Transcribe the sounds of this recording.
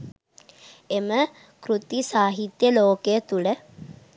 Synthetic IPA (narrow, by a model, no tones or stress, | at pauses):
emə | kɾut̪isaːɦit̪jəloːkejət̪ulə